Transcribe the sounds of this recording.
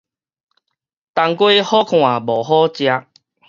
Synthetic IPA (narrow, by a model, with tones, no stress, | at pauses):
t̪a˧ŋkwe˦hɔ˦kʰw̃a˨˩bɔ˨˩ɦɔ˦t͡ɕja˧